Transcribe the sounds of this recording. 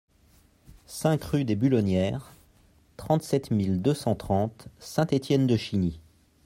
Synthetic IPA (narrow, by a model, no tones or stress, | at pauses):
sɛ̃kχyd̪ebylɔnjɛʁ | t̪χɑ̃t̪sɛt̪mild̪øsɑ̃t̪χɑ̃t̪sɛ̃t̪et̪jɛnd̪əʃini